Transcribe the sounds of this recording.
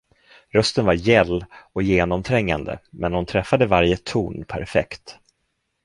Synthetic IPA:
ɾœst̪ənvaɾjɛlːɔkjeːnɔmt̪ʰɾɛŋːand̪ə̰mɛnhʊnt̪ʰɾɛfːad̪əvaɾjət̪ʰuːnpʰæ̰ɾfɛ̰kt̪

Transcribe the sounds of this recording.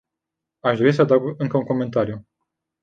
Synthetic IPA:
aʃd̪o̞ɾis̬əd̪aɡɨŋkəuŋko̞me̞nt̪aɾiju

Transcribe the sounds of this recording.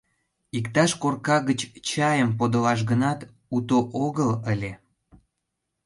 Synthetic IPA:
ikt̪ɑʃkorkɑɣət͡ɕt͡ɕɑjəmpod̪olɑʃ̬ɣənɑt̪ | ut̪oʔoɣələlʲe

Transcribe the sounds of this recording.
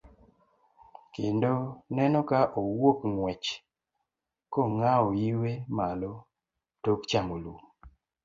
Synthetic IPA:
kɪndonɛnɔkaʔowokŋwɛt͡ʃ | koŋaojiwemalo | tokt͡ʃamolum

